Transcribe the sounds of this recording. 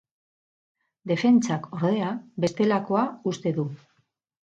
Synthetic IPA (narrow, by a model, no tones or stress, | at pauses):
d̪e̞fe̞nt͡sako̞ɾðe̞abe̞st̪e̞lako̞aust̪e̞ðu